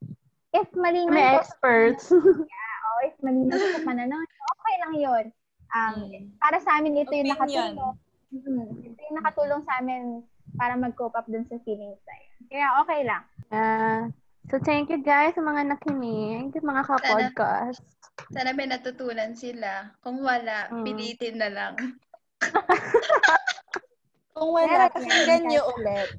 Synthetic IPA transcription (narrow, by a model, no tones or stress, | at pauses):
ʔɪsmɐliːmmɛjʔɛkspɛɹt̪sjaʔoʔɪsmɐliːnɐssɐpɐnɐno̞nʔoːkɛjlɐŋjon | ʔɐmpaːɾɐsɐʔaːmɪnʔɪt̪ojʊŋnɐkɐt̪uːlo̞ŋ | m̩ːʔɛt̪ojʊŋnɐkɐt̪uːlo̞ŋsɐʔaːmɪn | paːɾɐmɐɡ̚koːpɐp̚d̪ʊnsɐfiːlɪŋsnɐ̰jonkɐjaʔoːkɛjlɐŋja | sot̪ɛŋkjʊɡajsɐmɐŋanɐkɪnɪŋʊmɐŋakɐpod̪̚ka̰st̪̚sanɐmɐnɐt̪ʊt̪uːnɐnsɪlakʊŋwɐlaʔɪliːt̪ɪnːɐlaŋ | kʊŋwɐlakɐsɛɡɐnɲoʔʊlɛt̪̚